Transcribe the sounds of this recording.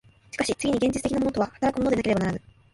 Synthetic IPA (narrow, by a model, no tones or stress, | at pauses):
ɕi̥kaɕit͡sɨɡʲiɲ̟iɡẽɲ̟d͡ʑitɨt̪ekinamonot̪ahat̪aɾakɯ̟mo̞nod̪eakeɾeanaɾanai